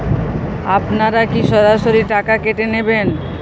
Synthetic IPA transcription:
apnaɾakiʃɔɾaʃoɾiʈakakeʈeneben

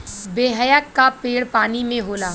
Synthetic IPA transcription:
beːɦəjəkːapeːɽpaːnimẽɦoːlaː

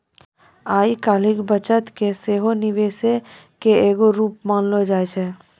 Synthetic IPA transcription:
aːikaːlɪkbət͡ʃət̪keseːɦonɪʋeːse | keeːɡoɾuːpmaːnlod͡ʒaːet͡ʃʰɛː

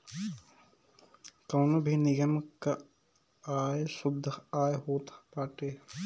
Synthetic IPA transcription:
koːnobʱinɪɡəmka | aːesʊd̪ʱːaːjɦoːt̪paːʈeː

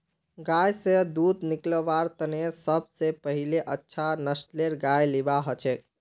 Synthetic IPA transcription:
ɡajsed̪ud̪nikləʋaɾt̪ənesəb̚sepəɦileʔətːʃʰanəsʈleɾɡajlibaɦɔt͡ʃʰɛ

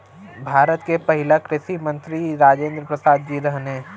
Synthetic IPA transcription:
bʱaːɾət̪kepɐɦɪlakɾɪsimə̃nt̪ɾiɾaːd͡ʒẽːnd̪ɾəpɾɐsaːd̪̚d͡ʒiɾɐɦne

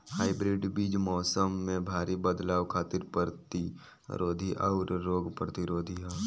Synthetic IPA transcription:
haːɪbɾɪɖbiːd͡ʒmɔːsəmːẽbʱaːɾibəd̪laːʋkʰaːt̪ɪɾpəɾt̪i | ɾoːd̪ʱiʔɔːɾɾoːɡpɾət̪iɾoːd̪ʱia

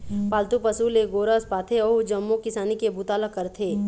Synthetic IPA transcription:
paːlt̪upɐsuːleɡoːɾəspaːt̪ʰeɔːd͡ʒɐmːõkɪsaːnikebut̪aːləkːɐɾt̪ʰeː

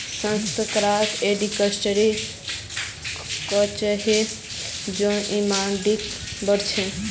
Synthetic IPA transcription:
sə̃nst̪əkɾat̪eɖikəsʈəɾi | kɔt͡ʃəɦe | d͡ʒõʔimanɖikbəɾt͡ʃʰẽ

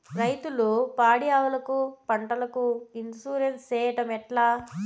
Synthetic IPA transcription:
ɾɐjt̪ulupaːɽijaːʋɐlɐkupɐɳʈɐlɐkuind̪suːɾenst͡ʃɛːjɐʈɐmɛʈlaː

